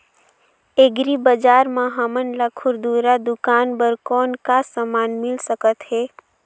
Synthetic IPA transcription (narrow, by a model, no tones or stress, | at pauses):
eɡɾibəd͡ʒaːɾmaɦamənlakʰʊɾd̪uːɾad̪ʊkaːnbəɾkɔːnkasamaːnmɪlsəkət̪ɦɛː